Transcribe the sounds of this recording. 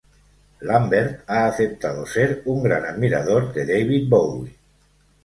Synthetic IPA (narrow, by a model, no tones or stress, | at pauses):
lambeɾt̪aːθep̚t̪að̞oseɾuŋɡɾanaðmiɾa̰ðoɾd̪eðejβ̞it̪̚bowli